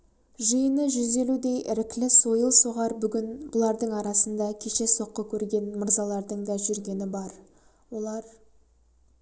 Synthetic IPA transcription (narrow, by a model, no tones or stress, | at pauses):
ʒəjənəʒʏze̞lud̪e̞jɪɾɪklɪso̞jəlˠsoʁɑɾbʏɡʲɪnbʊlˠɑɾd̪əɴɑɾɑsənd̪ɑkʲʰe̞ʃe̞so̞qːəkʲʰɵɾɡʲe̞nməɾzɑlˠɑɾd̪əɴd̪ɑʒʏɾɡʲe̞nɪbɑɾ | wo̞lˠɑɾ